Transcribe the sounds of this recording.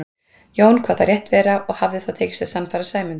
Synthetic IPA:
joːwnkʰv̥aːθaɾjɛht̪vɛːɾaʔɔɣhavðɪθawt̪ʰeːcɪ̥st̪asanfaɾasaːjmʏn

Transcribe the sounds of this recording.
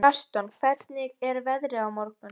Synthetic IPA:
ast̪ɔnkʰvɛɾt̪nɪɣɛɾvɛðɾɪawmɔɾkʏ

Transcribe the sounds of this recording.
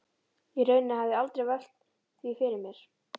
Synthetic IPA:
irœːɥnɪnahavðɪalt̪ɾejval̥t̪ | θvifɪɾɪɾmjɛɾ̥

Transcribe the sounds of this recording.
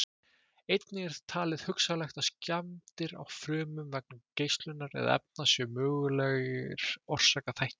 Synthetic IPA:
ejt̪nɪɛɾ̥t̪ʰaːlɪð̥hʏksalɛxt̪ascamt̪ɪɾa̰wfɾœːmʏmvɛk̚nʏmcejst̪lʏnːaɾɛ̰ðɛ̰p̚nasjœmœːɣʏlɛɣɪɾɔr̥saːkaθajht̪ɪ̥

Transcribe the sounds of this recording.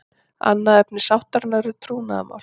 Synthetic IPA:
a̰nːaɛpnɪsawht̪aɾnaɾʏt̪ʰɾuːnaða̰ma̰wl

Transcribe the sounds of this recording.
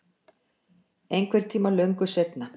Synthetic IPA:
ejŋkʰvɛɾ̥t̪ʰiːmalœɥŋkʏset̪na

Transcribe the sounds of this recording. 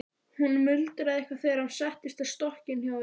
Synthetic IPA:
hunːmʏlt̪ɾaðihkvaθɛɾansɛht̪ɪst̪aðst̪ɔhcɪnçjaw

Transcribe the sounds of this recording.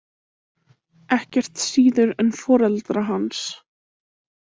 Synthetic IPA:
ɛhcɛr̥t̪siːðʏɾɛnfɔːɾɛlt̪ɾaɦans

